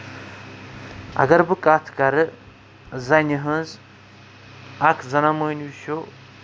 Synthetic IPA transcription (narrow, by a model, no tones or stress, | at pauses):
ɐ̰ɡɐɾbɨkʼat̪ʰkɐɾɨ | zɐnɨɦɨnz | akʰzɐnamojnʃo